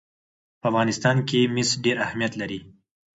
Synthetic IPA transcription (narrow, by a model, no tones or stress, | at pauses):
pəafɣɑnɪst̪ɑnkemɪsɖeɾahmijat̪laɾi